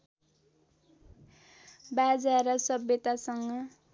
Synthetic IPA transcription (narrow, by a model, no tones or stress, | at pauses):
bad͡zaɾʌsʌbjʌt̪asʌŋɡʌ